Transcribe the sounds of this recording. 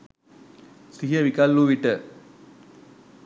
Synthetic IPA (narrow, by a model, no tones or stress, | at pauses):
siɦiəʋikɐlːuʋiʈə